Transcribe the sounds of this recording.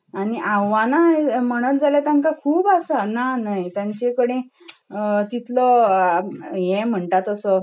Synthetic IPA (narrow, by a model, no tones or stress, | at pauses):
aɽ̃iʔãwːanam̤əɽ̃ət̪d͡zaljat̪ãŋkakʰuːbasananajt̪jaɲt͡ɕekəɽẽ | ət̪it̪lə | jɛ̃m̤əɳʈat̪əsə